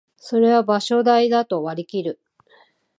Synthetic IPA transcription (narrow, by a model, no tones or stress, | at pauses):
so̞ɾe̞βabaɕo̞d̪aid̪at̪o̞βaɾʲikʲiɾɯ̟